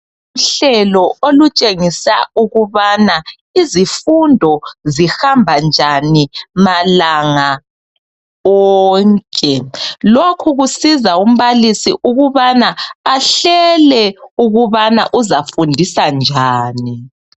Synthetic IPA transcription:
um̩ɬɛlɔolut͡ʃʼeŋisauɣuβana | izifundʱɔzihambʱand͡ʒʱanimalaŋa | ɔːŋkʼɛlokʰuɣusizaum̩βalisḭʔuɣuβanaːɬɛlɛuɣuβana̰ʔuzafundʱisand͡ʒʱaːni

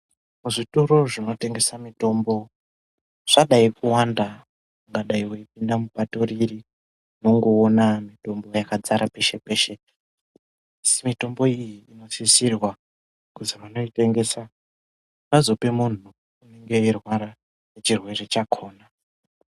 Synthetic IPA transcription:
muʐitoɾo̞ʐino̞te̞ŋɡe̞samito̞mbo̞ | ʐ̥aɗaikuwanda | uŋɡaɗaiweip̚indamuɓato̞riri | noŋɡoonamito̞mbo̞jakad͡zaɾʔape̞ʃe̞pe̞ʃe | simito̞mbo̞ijiːno̞sisirwa | kuzimano̞ite̞ŋɡe̞sa | βazo̞pemun̤uː | ne̞ŋɡe̞irwaɾa | net͡ʃirwe̞re̞t͡ʃakʰo̞ːna

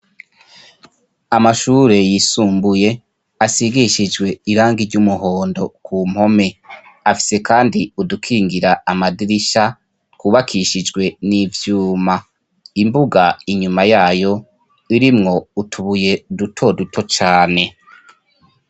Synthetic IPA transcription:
amaʃuːɾe̞jisuːmbuje̞ | asiɡiʃid͡ʒɡwe̞iɾaːŋɡiɾɟumuɦoːndo̞kʰum̥ho̞me̞ | afi̥se̞kaːndiudukʰiːŋɡiɾaamadiɾiʃa | kuβakʰiʃid͡ʒɡwe̞nivjuːma | imbuɡaiɲumajaːjo̞ | iɾimŋo̞utʰuβuje̞dutʰo̞dutʰo̞t͡ʃaːne̞

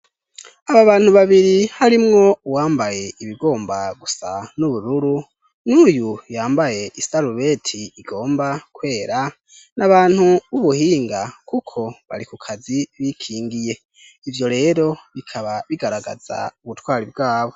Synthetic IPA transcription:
aβaβaːnhuβaβiɾihaɾimŋo̞uwaːmbaje̞iβiɡo̞ːmbaɡusanuβuɾuɾu | nuːjujaːmbaje̞ʔisaɾuβe̞tʰiiɡo̞ːmbakwe̞ːɾa | nʔaβaːn̥huβuβuhiːŋɡakukʰo̞βa̰ɾikukʰaziβikʰiːŋɡije̞ | ivjo̞ɾe̞ːɾo̞βikʰaβaβiɡaɾaɡa̰z̥a̰uβutwaːɾib̚ɡaːβo̞

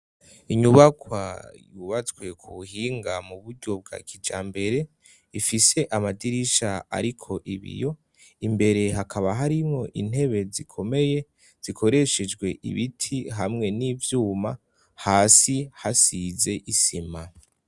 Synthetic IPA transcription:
iɲuβakwa̰juβat͡swe̞kʰuuɦiːŋɡamuβuɾɟo̞b̚ɡa̰kʰid͡ʒa̰ːmbe̞ɾe̞ | ifise̞ʔamadiɾiʃaa̰ɾikʰo̞ʔiβḭjo̞ | imbe̞ɾe̞ɦakʰaβaɦaɾimŋo̞ʔḭn̥he̞βe̞zikʰo̞me̞je̞ | z̥ikʰo̞ɾe̞ʃed͡ʒɡwe̞ʔḭβitʰiɦamŋe̞niːvjuːma | haːsihasize̞ʔisima

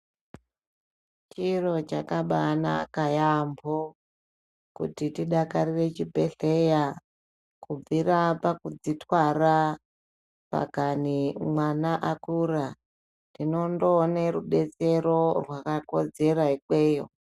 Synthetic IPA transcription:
t͡ʃiro̞t͡ʃakaɓana̰kajambo | kṵtitiɗakarire̞t͡ʃibʱe̞ɬe̞ja | kub͡viɾapakud͡zitwara | pa̰kanimwanaʔakura | tino̞ndoneɾuɓe̞t͡se̞ɾo̞rwakako̞d͡ze̞ɾaike̞ːjo̰

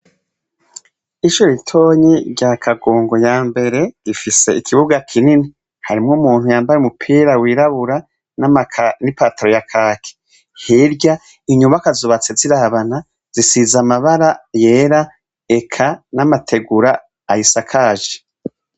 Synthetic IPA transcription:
iʃoɾitʰo̞ːɲiɾɟakʰaɡoːŋɡo̞jaːmbe̞ɾe̞ɾifise̞ikʰiβuɡakʰinini | haɾimŋomuːn̥hujaːmbajeumupʰiːɾawiːɾaβuɾa | nanipaːtaɾojakʰaːkʰe̥ | hiɾɟa | iɲumβakazuβat͡seziɾaβana | z̥isizamaβaɾaje̞ːɾa | e̞kʰanamatʰe̞ɡuɾaː | hisakʰaːʒe̥

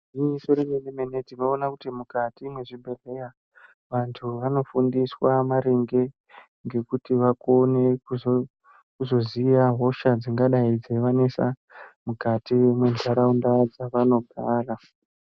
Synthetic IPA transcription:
isoɾemenemenediʋoːnakutimukatimwe̞ʐibʱe̞re̞ja | ʋantʰuʋano̞fundiswamaɾeŋɡe̞ | ŋɡe̞kutiʋakoneku | kuzo̞ziaɦo̞ʃad͡ziŋɡaɗaid͡zeʋane̞sa | mukatiemwe̞ndʱaɾaundad͡zaʋano̞ɡʱaːra

